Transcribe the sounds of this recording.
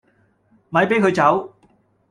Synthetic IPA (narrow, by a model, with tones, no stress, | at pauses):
ma˨˥jpe˨˥jkʰɵ˨˧ɥt͡sɐ˨˥w